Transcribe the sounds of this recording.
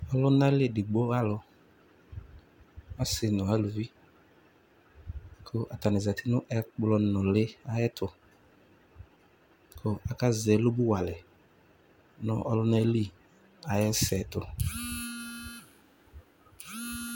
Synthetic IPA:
ɔ˦lʊ˦na˦lɪ˦˨dɪ˨ɡ͡bo˦a˦lʊ˨ | a˦sɪ˨nʊ̃˨a˦lu˨vi˦ | kʰʊ˦ʔa˨ta˨nɪ˨za˨tɪ˦nʊ˦ʔɛ˦k͡plɔ˦nʊ̃˨lɪ˦a˦jɛ˦tʰʊ˨ | kʰʊ˦a˨ka˦zɛ˨˦lʊ˦bʊ˦wa˨lɛ˨ | nʊ˦ʔɔ˦lʊ˦nɛ˦li˦˨ | a˨jɛ˦sɛ˨tʊ˨

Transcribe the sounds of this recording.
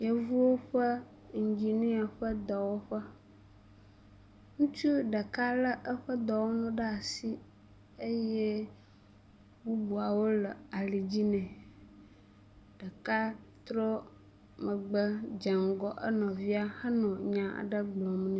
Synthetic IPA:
jə˦vu˦wo˦ɸə˦ | ŋ̩˨d͡ʑi˨nĩ˦a˨ɸə˦d̪ɔ˨wo˦ɸə˦ | ŋũ˦t͡ʃu˦ɖə˨ka˦lə˦ʔə˦ɸə˦d̪ɔ˨wo˦nũ˦ɖə˦a˨si˦ | e˦je˦ | bu˦bu˨a˨wo˦lə˨a˨li˨d͡ʑi˦nɛ̃˨ | ɖ̥ə˨ka˦t̪ɾɔ˦ | mə˨ɡ͡bə˦d͡ʒə˨ŋ˨ɡɔ˨ʔə̰˦nɔ̃˨vi˦a˦hə˦nɔ̃˨ɲã˨a̰˨ɖə˦ɡ͡blɔ̃˨m˦nũ˦

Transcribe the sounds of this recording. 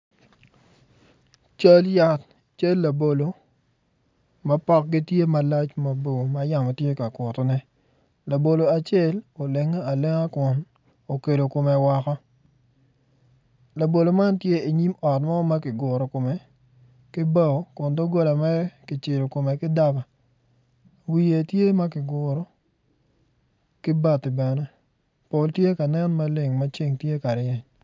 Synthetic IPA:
t͡ʃa˦lja˦t | t͡ʃa˦lːa˨bo˨lo˨ | mɐ˦pɔ˦k̚ɡi˦tje˦ma˨la˦t͡ʃmɐ˨bo˨ma˨ja˨mɔ˨tje˦ka˨kʷɔ˨tɔ˦nɛ˦ | la˨bo˨lo˨a˨t͡ʃɛ˦lo˨le˨ŋa˦a˨le˦ŋa˦kʊ˨n | o˨ke˨do˨ko˨mɛ˨wa˨kɔ˦ | la˨bo˨lo˨ma˦ntje˦e˨ɲi˦mɔ˨tmɔ˦ma˦kɪ˨ɡʊ˨ɾɔ˨ko˨mɛ˨ | kɪ˦ba˦˨o˨kʊ˨ndo˦ɡo˦la˨mɛ˦ɾɛ˦kɪ˨t͡ʃɪ˨lo˨ko˨me˨kɪ˦da˦ba˨ | wi˨e˨tje˦ma˦kɪ˨ɡʊ˨ɾɔ˦ | kɪ˦ba˨tɪ˨bɛ˨nɛ˦ | po˨ltje˦ka˨nɛ˦nma˦le˨ŋma˦t͡ʃi˦ŋtje˦ka˨ɾɪɛ˦ɲ

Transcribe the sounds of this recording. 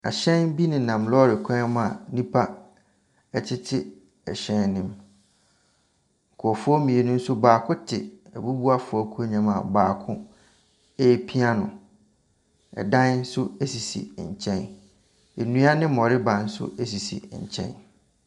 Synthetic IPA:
a̰˨ɕɛ̃˦nbi˦nɪ̃˨nã˨mlɔ˦ɾɪ˨kʷʰɛ̃˦m˦a˨nĩ˦pʰa˦ | ɛ˦t͡ɕʰɪ˦tʰɪ˦ | ɛ˨ɕɛ̃˦nnɪ̃˦m | ŋ̩˨kʰʊ˨ɔ˨fɔ˦mĩ˨e˨nʊ̃˦n̩˦sʊ˦baː˨kʰʊ̃˦tʰɪ˨ɛ˨bu˦bu˦a˦fʊ˨ɔ˦kʰu˦ɲã˨mã̰˨baː˨kʰʊ̃˦ | e˦pʰi˦a˦nʊ̰̃˨ | ɛ̰˨dã˦n˦n̩˦sʊ˦e˦si˨sḭ˨ɲ̩˨t͡ɕʰɛ̃˦n | e˨nũ˦a˦nɪ̃˦mɔ˨ɾɪ˦bã˨n̩˦sʊ̰˦ʔe˦s̬i˨sḭ˨ɲ̩˨t͡ɕʰɛ̰̃˦n

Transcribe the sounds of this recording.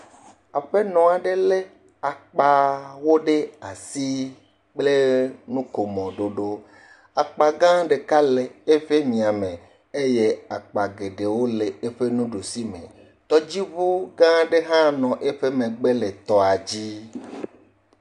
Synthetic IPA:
a˨ɸe˦nɔ̃˨a˨ɖe˦le˦ | a˨k͡pa˨wo˦ɖe˦a˨si˦ | k͡ple˦nũ˦ko˨mɔ̃˨ɖo˨ɖo˦ | a˨k͡pa˨ɡã˦ɖe˨ka˦le˨e˦ɸe˦mĩ˨a˨mẽ˨ | e˦je˦a˨k͡pa˨ɡe˨ɖe˨wo˦le˨e˦ɸe˦nũ˦ɖo˨si˦mḛ̃˨ | t̪ɔ˦d͡ʑi˦βo˦ɡã˦ɖe˦ɦã˦nɔ̃˨ʔe˦ɸe˦mẽ˨ɡ͡be˦le˨t̪ɔ˨a˨d͡ʑi˦

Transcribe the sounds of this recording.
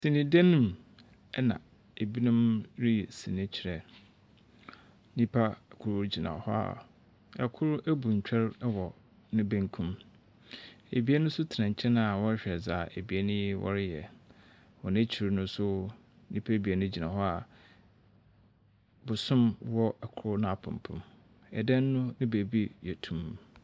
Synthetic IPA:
sĩ˨nĩ˨dɛ˦nʊ̃˦˨m | ɛ˦nã̰˨ | e˨bi˦nʊ̃˦mɾi˦˨sĩ˨nɛ̃˦t͡ɕʰi˨ɾɛ˨ | nĩ˦pʰa˦kʰʊ˦ɾd͡ʑi˨nã̰˨hɔ˦a̰˨ | ɛ̰˨kʰʊ˦ɾæ˦bu˨ɲ̩˨t͡ɕᶣʰɛ˦ɾwɔ˨ | nʊ̃˦bæ˦ŋkʰũ˦m | ḛ˨bi˨˦e˦nʊ̃˦sʊ˦tʰɪ˨nã˨ɲ̩˨t͡ɕʰɛ˦nã˨a˨wɔ˦ɾɕᶣɛ˨za˨e˨bi˨e˦nʊ̃˦wʔɔ̰˦˨ɾɪ˦jɛ̰˨ | wɔ˨nɪ̃˦t͡ɕʰi˨ɾnʊ̃˦sʊ˦ | nĩ˦pʰa˦˨bi˨e˨nʊ̃˦d͡ʑi˨nã˨ɦɔ˦a˨ | bʊ˨sʊ̃˦mwɔ˦ɛ˨kʰʊ˦ɾʊ˦nã˦a˨pʰʊ̰̃˨m˨pʰʊ̰̃˨m | ɛ̰˨dɛ̃˦nː˦ʊ̃˦nɪ̃˦be˨bi˦jɛ˨tʰũ˨m

